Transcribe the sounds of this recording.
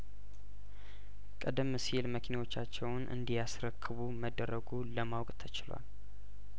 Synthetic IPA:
kʼəd̪ɨmsilməkʰinawo̞t͡ʃːat͡ʃːɛwnʔɨ̰nd̪ijasɾəkʰːɨβuməd̪əɾəɡuləmawkʼt̪ʰət͡ʃɪlwa̰l

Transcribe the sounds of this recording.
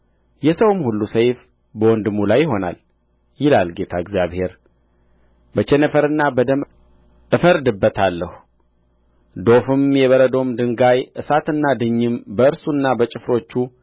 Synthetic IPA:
jɛsəwmhulːusəjf | bəwɔnd̪ɨmːulajːɪɦo̞na̰l | jɪlalɡe̞t̪ʰaɨɡzjaβhe̞ɾ | bət͡ʃɛnəfəɾɨnːabəd̪əmʼ | ɨfəɾd̪ɨbːət̪ʰalːəhu | d̪o̞fɨmjɛβəɾəd̪o̞md̪ɨŋɡajʔɨsat̪ɨnːad̪ɨɲːɨmbəɨɾsunːabət͡ʃʼɪfɾo̞t͡ʃːu

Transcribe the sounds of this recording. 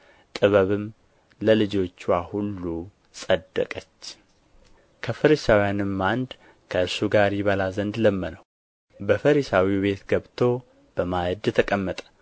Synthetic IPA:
t̪ʼɨβəβɨm | ləlɨd͡ʒo̞t͡ʃːwahulːu | sʼəd̪ːə̰kʼət͡ʃː | kʰəfɨɾisawijanɨmːand̪ | kʰəɨɾsuɡaɾjɪβəlazənd̪ləmːənəw | bəfəɾisawiβe̞t̪ɡəβt̪ʰo̞ | b̥əmajɨd̪t̪ʰəkʼəmːət̪ʼə̥

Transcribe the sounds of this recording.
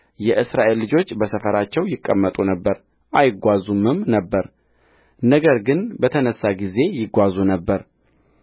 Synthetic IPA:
jɛʔɨsɾaʔe̞lːɨd͡ʒo̞t͡ʃːbəsəfəɾat͡ʃːɛwjɪkʼːəmːət̪ʼunəbːəɾ | ʔajɪɡʷazumɨmnəbːəɾ | nəɡəɾɡɨnbət̪ʰənəsːaɡize̞jɪɡʷazunəbːəɾ

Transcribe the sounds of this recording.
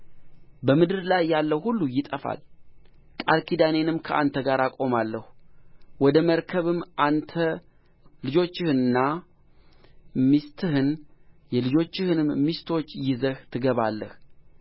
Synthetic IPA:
bəmɨd̪ɨɾlajːalːəwhulːujɪt̪ʼəfa̰l | kʼalkʰid̪ane̞nɨmkʰəʔant̪ʰəɡaɾakʼo̞malːəhuwɔd̪əməɾkʰəβɨmːʔant̪ʰə | lɨd͡ʒo̞t͡ʃːɪhɨnɨnːa | mist̪ʰɨhɨnjɛlɨd͡ʒo̞t͡ʃːɪhɨnɨmmist̪ʰo̞t͡ʃːjɪzəht̪ʰɨɡəβalːəh

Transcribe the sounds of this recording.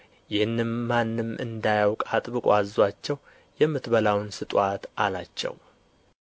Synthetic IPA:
jɪhɨnːɨmːanːɨmʔɨ̰nd̪ajawkʼat̪ʼbɨkʼazwat͡ʃːɛw | jɛmːɨt̪bəlawnsɨt̪ʼwat̪ʔalat͡ʃːɛ̰w

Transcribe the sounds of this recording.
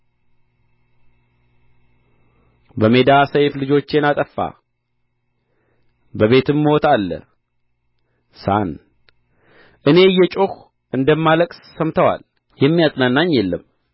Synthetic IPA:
bəme̞d̪asəjflɨd͡ʒo̞t͡ʃːe̞nat̪ʼəfːa̰ | bəβe̞t̪ʰɨmːo̞t̪ʰalːə̰ | san | ʔɨne̞jːɛt͡ʃʼox | ʔɨnd̪əmːaləkʼsːəmt̪ʰəwa̰l | jɛmːijat̪ʼnanːaɲːɛlːəm

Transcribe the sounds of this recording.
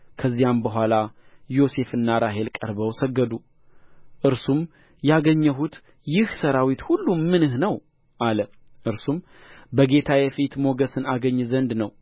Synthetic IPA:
kʰəzːijambəɦʷalajo̞se̞fɨnːaɾaɦe̞lkʼəɾbəwsəɡːəd̪u | ʔɨɾsum | jaɡəɲːəɦut̪ | jɪhsəɾawit̪hulːumɨnɨhnəw | ʔalə | ʔɨɾsum | bəɡe̞t̪ʰajɛfit̪mo̞ɡəsɨnaɡəɲːzənd̪nəw

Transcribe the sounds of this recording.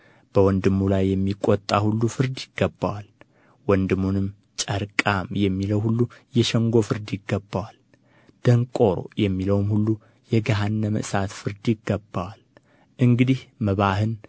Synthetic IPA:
b̥əwɔnd̪ɨmːulajːɛmːikʼot̪ʼːahulːufɨɾd̪jɪɡ̥ːəbːawal | wɔnd̪ɨmːunɨm | t͡ʃʼəɾkʼamjɛmːiləwhulːujɛʃɛŋɡo̞fɨɾd̪jɪɡːəbːawal | d̪̥əŋkʼo̞ɾo̞̰jɛmːiləwmhulːu | jɛɡaɦanːəmɨ̰ʔsat̪fɨɾd̪jɪɡːəbːawal | ʔɨŋɡɨd̪ihməβahɨn

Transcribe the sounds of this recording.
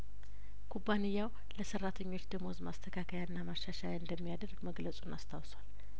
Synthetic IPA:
kʰubːanɨjːaw | ləsərːat̪ʰəɲːo̞t͡ʃːd̪ɨmozmast̪ʰəkʰakʰəjaɨnːamaʃaʃajɨnd̪əmːijad̪əɾɡməɡləsʼunast̪ʰawswal

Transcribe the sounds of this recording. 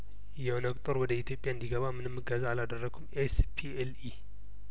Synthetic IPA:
jɛnəkʼt̪ʼoɾwɔd̪əit̪ʰjo̞pʼjaɨnd̪iɡɐβamɨnɨmːɨɡəzaːlad̪ərːɐɡʰumespʰieli

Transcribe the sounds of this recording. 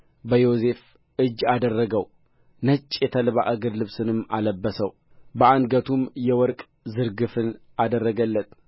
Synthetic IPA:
bəjo̞se̞f | ʔɨd͡ʒːad̪ərːəɡəw | nət͡ʃʼːjɛt̪ʰəlβa̰ʔɨɡɨɾlɨβsɨnɨmːa̰ləbːəsəw | bəanɡət̪ʰumjɛwɔɾkʼ | zɨɾɡɨfɨnʔad̪ərːəɡəlːət̪

